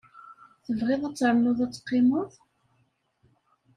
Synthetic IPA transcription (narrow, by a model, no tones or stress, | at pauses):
θəvʁɪðˤæt͡sːɾəmːʊðˤæt͡sːqːɪmoðˤ